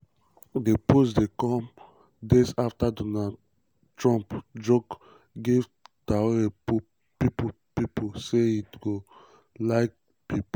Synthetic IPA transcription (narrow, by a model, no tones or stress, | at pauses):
deposdekɔ̃m | desaftadonad | tɹɔ̃mpd͡ʒok | ɡevtaoepu | pipo | piposeitɡo | laɪk̚ | pip